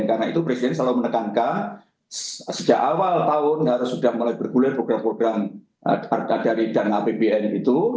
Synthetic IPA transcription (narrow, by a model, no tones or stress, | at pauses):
nkarnait̪upɾɛsidɛnslalamənəkankan | ssəd͡ʒakawalt̪aʊnɦaɾʊsudahmulajb̥ərɡulɪrpɾoɡ̥ɾampɾoɡ̥ɾam | adaɾidanapebeɛnit̪u